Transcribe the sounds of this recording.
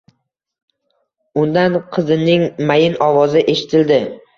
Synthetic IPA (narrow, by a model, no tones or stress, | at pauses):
ʊnd̪anqʰɨzɪnɪŋmajɪnɒvɒzɪʔe̞ʃɪ̥t̪ʰɪld̪ɪ